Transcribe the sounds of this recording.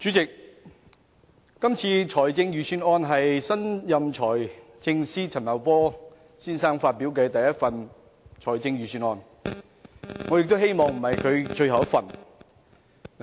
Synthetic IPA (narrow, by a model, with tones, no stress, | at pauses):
t͡ʃyː˨˥t͡sɪ˨k̚ | ɐ˥mt͡sʰiː˧t͡ʃʰɔː˨˩jt͡sɪ˧ŋjyː˨syː˧nɔː˧nɦɐ˨jsɐ˥njɐ˨mt͡ʃʰɔː˨˩j | t͡sɪ˧ŋsiː˥t͡sʰɐ˨˩nmɐ˨˩wpɔː˥ | siː˥nsaː˥ŋfaː˧t̚pi˨˥wkɛː˧t̪ɐ˨jɐ˥t̚fɐ˨n | t͡ʃʰɔː˨˩jt͡sɪ˧ŋɥyː˨˧syː˧nɔː˧n | ŋɔː˨˧jɪ˨k̚t̪o˥whe˥jmɔː˨˩ŋm̩˨˩hɐ˨jkʰɵ˨˧ɥt͡ʃɵ˧ɥɦɐ˨wjɐ˥t̚fɐ˨˩n